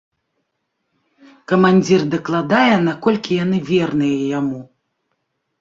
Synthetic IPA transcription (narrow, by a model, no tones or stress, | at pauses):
kɐmanʲd͡zʲird̪ɐklˠad̪ajɛnakɔlʲkʲijan̪ɨvʲɛrnɨjɐjamu